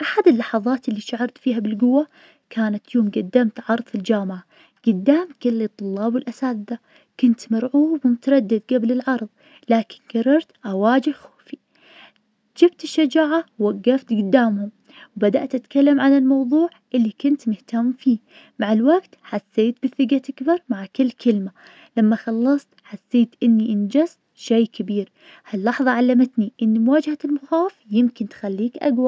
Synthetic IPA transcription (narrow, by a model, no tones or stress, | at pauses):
ʔaħad̪ɪlːɑħɑðˤɑːt̪ʔɪlːiʃaʕɑɾˤt̪fiːɦabɪlɡʊwːa | kʰaːnat̪joːmɡad̪ːamt̪ʕɑɾˤðˤfɪld͡ʒaːmʕa | ɡ̥ʊd̪ːaːmkɪlːit̪ˤːʊlːɑːbwɪlʔasaːd̪d̪a | kʊnt̪mɑɾʕuːbwmʊt̪ɑɾˤɑd̪ːɪd̪ɡablɪlʕɑɾˤðˤ | laːkɪ̥nɡɑrˤːɑɾˤt̪ʔawaːd͡ʒɪhxoːfi | d͡ʒɪbt̪ɪʃːad͡ʒaːʕawaɡːaft̪ɡʊd̪ːaːmhʊm | wbad̪aʔt̪ʔat̪kalːamʕanalmɑwðˤuːʕʔɪlːikʊnt̪mʊht̪amːfiː | maʕɪlwaɡt̪ħasːeːt̪bɪθɪɡaʔakbɑɾˤmaʕkɪlːkʰɪlma | lamːaxɑlːɑsˤt̪ħasːeːt̪ʔɪnːiʔɪnd͡ʒast̪ʃeːkabiːɾ | halːɑħðˤɑʕalːamat̪niʔɪnːimwaːd͡ʒhaɪlmʊxaːwɪfjɪmkɪnt̪xalːiːkʔa̰ɡwa